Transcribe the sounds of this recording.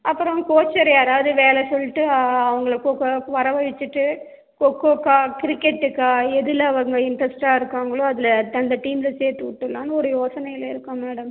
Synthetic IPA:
ɐpːɯɾɔ̃koːt͡ʃːɐɾɐðaːʋɐðɯʋeːlɛsɔlːɪʈːɯɐʋɐŋɡɐɭɐkoːkːɐʋɐɾɐʋɐʋɪt͡ʃːɯʈːɯ | kokːoːkːaːkɪɾɪkːɛʈːɯkːaːɛðɯlɐɐʋɐŋɡɐɪɳʈɾɐsʈaːɪɾɯkːaːŋɡɐɭoːɐðɪlɐt̪ɐnd̪ɐʈiːmlɐseːt̪uːʈːɯlːaːnɯɔɾɯjoːsɐnɐjɪlɪɾɯkːʊ̃meːɽɐm

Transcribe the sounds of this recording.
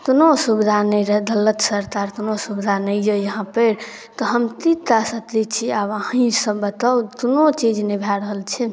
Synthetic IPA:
k̪onosubid̪ʱanəjɾəɦd̪ələt̪səɾt̪aɾk̪onosubid̪ʱanəjjəjəɦãpəɾ | t̪ɔɦəmt̪it̪asət̪lit͡ʃʰiabaɦĩsəbːət̪at̪onot͡ʃid͡ʒnebʱaɾəɦəlt͡ʃʰɛ

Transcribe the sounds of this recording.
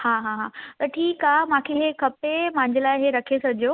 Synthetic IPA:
hãːɦãɦãːt̪ɐʈʰiːkaːmãkʰeɦekɐpemãɪ̃ɲd͡ʑelaːɪɦeɾɐkʰesɐɡʱd͡ʑjoː

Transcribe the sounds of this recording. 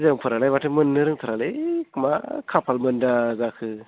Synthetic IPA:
zɯŋpʰɯɾalajmatʰɯmɯnːɯɾɯŋt̪ʰaɾalekʰɯma̰kʰapʰalmɯndazakʰɯ

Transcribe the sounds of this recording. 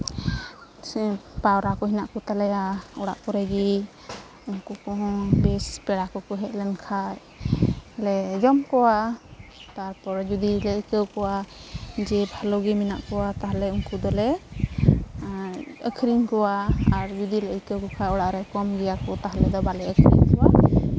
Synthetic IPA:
pawɾakɔɦinaʔkɔt̪alɛjaɔɽa̰ʔkɔɾɛɡi | uŋkukɔɦɔ̃bɛspɛɽakɔkɔɦɛt̪̚lɛnkʰaj | lɛd͡ʒɔmkɔwa | t̪aɾpɔɾd͡ʒud̪ilɛəkəwkɔwad͡ʒɛbʱalɔɡɛmina̰ʔkɔwat̪aɦalɛuŋkud̪ɔlɛ | əkʰɾiŋkɔwaaɾd͡ʒud̪iləʔəkəwkɔkʰajɔɽaʔɾɛkɔmɡɛjakɔt̪aɦalɛd̪ɔbalɛəkʰɾḭŋkɔwa

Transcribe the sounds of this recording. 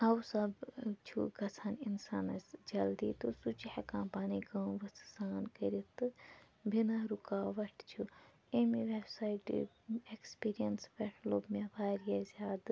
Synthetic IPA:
ɐwsɐbt͡ʃʰṵɡɐsʰaːninsaːnɐsd͡ʒɐld̪iːt̪usut͡ʃihɐkãːmpaːniɡɐːʋɐszaːnkɐɾit̪ɨ | bʱinaɾukaːʋɐʈʰt͡ʃʰu | emiʋebsaːiʈḭ | ekspiːɾijɐnsʋeʈʰloːbmebaːɾjazʲaːd̪

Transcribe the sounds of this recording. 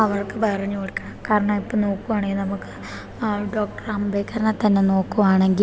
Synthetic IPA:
ɐʋɐrkɨpɐrɐɲːuoɽkːɐɳɐkaːɾɐɳɐmipːoːno̞ːkːuʋaːɳeinɐmukːɨ̥ | ɖo̞ːk̚ʈɐrambejkːaːɾɐɳɐt̪ɐnːe̞no̞ːkːuʋaːɳe̞ŋɡil

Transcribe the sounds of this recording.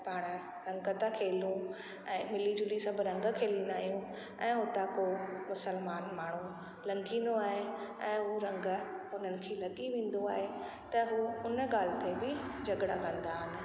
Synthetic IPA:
paːɽ̃ | ɾɐ̃ŋɡət̪ãkʰeːlũ | ɛ̃ːmɪlid͡ʑʊlisãbɪɾɐ̃ŋɡkʰeːlĩːnd̪aːɦijũ | ʔɛ̃ːɦʊt̪ãkomʊsəlmaːnmaːɳ̤u | lɐ̃ŋɡĩːnd̪oaːɦeɛ̃ːɦuɾɐ̃ŋɡəʊn̤ənɪ̆kʰeːlɐɠiʋẽːn̆d̪oaːɦe | t̪ɐɦuʊnɡaːlɪt̪ebɪd͡ʑʱɐɠɽakãːnd̪aːɦɪnɪ̆

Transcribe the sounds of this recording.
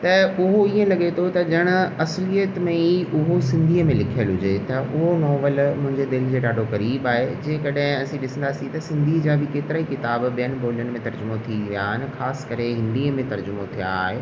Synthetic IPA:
t̪ɐʊɦoiːə̃lɐɠet̪ʰot̪ɐd͡ʑɐɽ̃ʊ̆ɐslijət̪mẽiʊɦosɪ̃nd̪ʱiəmẽlɪkʰijəlɦʊd͡ʑet̪ɐʔʊɦonɔːʋəlmʊ̃ɦɪ̃ɲd͡ʑed̪ɪld͡ʑeːɗaːɖʱokɐɾiːbaːɦed͡ʑẽːkɐɗɦɪ̃ɐsĩɗɪsə̃nd̪aːsit̪ɐsɪ̃nd̪ʱid͡ʑaːbʱɪkeːt̪ɪɾaːikɪt̪aːbɓiənɪ̆bʱoːljən̆mẽt̪ɐɾd͡ʑʊmot̪ʰiʋijaɦɪnɪ̆xaːsɪ̥kɐɾeɦɪ̃nd̪iːəmẽt̪ɐɾd͡ʑʊmot̪ʰija̰ɦe

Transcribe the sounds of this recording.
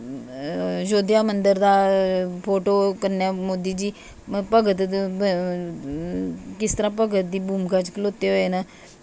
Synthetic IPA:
d͡ʒoːd̪jaːmənd̪əɾd̪aːpʰoːʈoːkəɾnjaːmoːd̪iːd͡ʒiː | pəɡət̪ | kɪst̪əɾãːpəɡət̪̚d̪iːbuːmɡat͡ʃkloːt̪eɦoːena

